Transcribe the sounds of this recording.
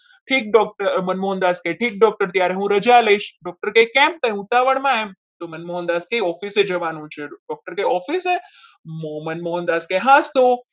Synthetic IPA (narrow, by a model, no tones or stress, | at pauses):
ʈʰiːk̚ɖɔk̚ʈəɾmənmɔɦənd̪askeʈʰiːk̚ɖɔk̚ʈəɾt̪jaɾeɦũɾəd͡ʒaləiʃɖɔk̚ʈəɾkekɛ̃mt̪ə̃ũt̪aʋəɳmãem | t̪omənmɔɦənd̪aːskejɔːfised͡ʒəʋanũt͡ʃʰeɖɔk̚ʈəɾkeɔfise | momənmɔɦənd̪aːskeɦãst̪o